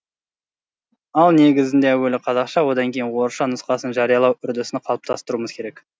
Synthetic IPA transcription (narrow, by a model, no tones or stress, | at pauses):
ɑlˠne̞ɡʲɪzɪnd̪e̞æwɵlɪqʰɑzɑqʃɑwo̞d̪ɑŋkʲʰe̞jɪnwo̞ɾʃɑnʊsqɑsənʒɑɾijɑlˠɑwʏɾd̪ɪsɪnqʰɑlˠəp̚t̪ʰɑst̪əɾuməzkʲʰe̞ɾe̞k